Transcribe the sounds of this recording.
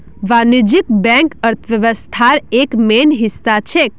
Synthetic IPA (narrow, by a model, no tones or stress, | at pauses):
ʋanud͡ʒikbɛ̃ŋkəɾt̪ʰʋjəʋəst̪ʰaɾekmenɦisːat͡ʃʰek̚